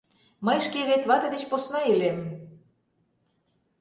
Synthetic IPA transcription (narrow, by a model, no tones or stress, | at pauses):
məjʃkeβet̪βɑt̪ɤd̪et͡ɕposnɑelem